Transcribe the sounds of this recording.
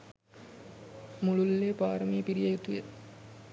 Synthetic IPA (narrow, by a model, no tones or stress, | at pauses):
mululːepaːɾəmiːpiɾijɐjut̪ujə